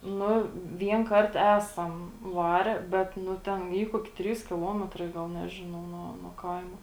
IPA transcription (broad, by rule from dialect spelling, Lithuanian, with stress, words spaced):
ˈnʊ ˈʋʲiɛn ˈkɐrt ˈæːsɐm ˈʋɑːrʲɛ ˈbʲɛt ˈnʊ ˈtʲɛn ˈiː ˈkuɔkʲɪ ˈtʲrʲiːs kʲɪˈlˠoːmʲɛtrɐɪ ˈɡɐlˠ ˈnʲæːʒʲɪnɐʊ nuɔ nuɔ ˈkɐɪmoː